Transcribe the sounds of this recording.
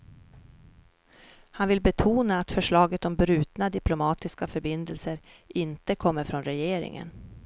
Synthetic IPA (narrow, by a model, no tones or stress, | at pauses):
hanvɪlbɛt̪ʰuːnaːt̪fœʂɭɑːɡət̪ɔmbɾʉ̟ːt̪nad̪ɪplʊmɑːt̪ɪskafœɾbɪnd̪əlsəɾ | ʔɪnt̪əkʰɔmːəɾfɾɔnɾɛjeːɾɪ̰ŋə̰n